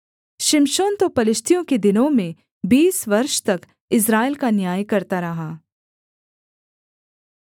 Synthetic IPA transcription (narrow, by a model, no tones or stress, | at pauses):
ʃɪmʃoːnt̪opɐlɪʃt̪ʰijõked̪ɪnõmẽ | biːsʋɐɾʃt̪ɐk | ɪs̬ɾaːɪlkanjaːjkɐɾt̪aɾɐɦaː